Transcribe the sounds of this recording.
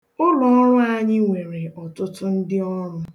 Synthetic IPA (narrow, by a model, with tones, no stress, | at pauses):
ʊ˦lɔ˨ɔ˦ɾʊ˦a˨ɲɪ˦ŋʷe˨ɾe˨ʔɔ˨tʊ˦tʊ˦n̩˦dɪ˦ɔ˦ɾʊ˦